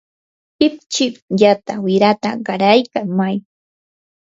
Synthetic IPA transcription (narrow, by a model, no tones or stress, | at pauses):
pɪp̚t͡ʃɪkjat̪awɪɾat̪aɢɑɾajkaŋmaj